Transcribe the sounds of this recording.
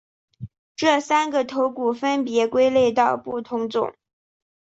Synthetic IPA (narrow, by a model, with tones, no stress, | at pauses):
ʈ͡ʂɤ˥˩sa˥nɡə˨t̪ʰo˧˥ʊku˨˩fə˥npjɛ˧˥kwe˥ɪle˥˧ɪt̪ɑ˥˧ʊpu˥˩t̪ʰʊ˧˥ŋt͡sʊ̰˨˩˦ŋ